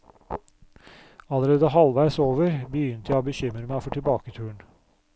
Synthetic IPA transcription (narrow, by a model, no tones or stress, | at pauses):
ɑləɾeːd̪əhɑlʋæɪsoːʋəɾbəjʏnt̪əjæbəçʏmɾəmæɪfɔʈʰɪlbɑːkət̪ʰʉːəɳ